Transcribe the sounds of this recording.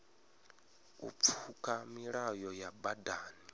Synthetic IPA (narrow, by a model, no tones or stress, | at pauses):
ṵp̪fʰukʼamiɺajɔjabadaːni